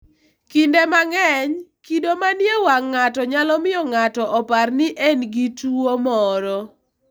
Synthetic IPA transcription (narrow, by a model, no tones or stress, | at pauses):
kindemaŋɛɲkidomanjewaŋːatɔɲalɔmɪjɔŋatɔʔɔparnɪʔenɡituomɔɾɔ